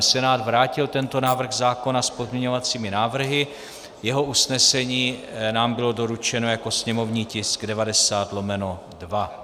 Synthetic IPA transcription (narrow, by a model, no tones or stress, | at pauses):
sɛnaːd̪vɾaːcɪlt̪ɛnt̪o̞naːvr̩ɣzaːko̞naspo̞zmɲɛɲo̞vat͡siːmɪnaːvr̩ɦɪ | jɛɦo̞usnɛsɛɲiːnaːmbɪlo̞do̞ɾut͡ʃɛno̞jako̞sɲɛmo̞vɲiːcɪsɡdɛvadɛsaːt̪lo̞mɛno | dva